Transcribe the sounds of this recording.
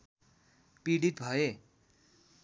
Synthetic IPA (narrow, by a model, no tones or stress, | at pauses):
piɽit̪bʱʌe